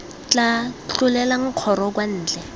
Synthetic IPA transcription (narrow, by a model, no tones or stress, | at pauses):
t͡ɬʼat͡ɬʊlɛlaŋ̩q͡χʰɔɾɔk̬wan̩ːt͡ɬɛ